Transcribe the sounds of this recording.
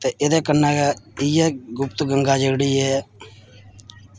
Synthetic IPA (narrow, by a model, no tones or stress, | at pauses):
t̪eːʔed̪eːkənːaːkaːiːjɛːɡʊp̚t̪ɡəŋɡaːd͡ʒəːɡɽiːɦɛː